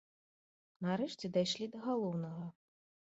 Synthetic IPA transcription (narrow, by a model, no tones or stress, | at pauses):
naɾɛʂt͡sʲɛd̪ajʂlʲid̪ɐɣalˠɔwnɐɣɐ